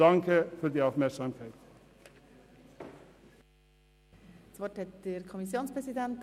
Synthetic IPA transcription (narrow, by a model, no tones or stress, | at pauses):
ɑŋkʰəfɔɾd̪iːɑːfmæɾsɑmfʰœlt̪ | sʋɔʈhɛt̪d̪̥eɾkʰɔmisjoːnspɾɛsid̪ɛnt̪